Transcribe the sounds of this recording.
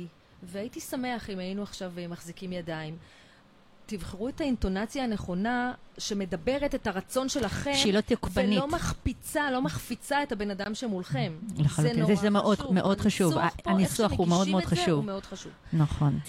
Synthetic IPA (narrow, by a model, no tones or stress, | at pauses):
veaitisame̞aχimajinuaχʃavmaχzikimjadaim | tivχeʁuethainto̞nat͡sjaːne̞χo̞naʃe̞me̞dabe̞ʁe̞te̞thaʁat͡so̞nʃe̞laχeʃilot̪jokvbaniomaχpit͡salo̞maχfit͡sae̞thabe̞nadamʃeemulχe̞mleχaluntimzeʃzemeʔodmeʔo̞dχaʃuvaanisuaχumeo̞d̪meod̪χaʃuvmeo̞dχaʃuvnaχo̞n